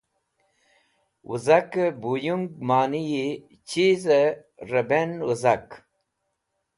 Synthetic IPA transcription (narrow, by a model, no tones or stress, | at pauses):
wʔṵzɐkbujuŋɡmaːniji | t͡ɕizəɾɐbenwuzɐk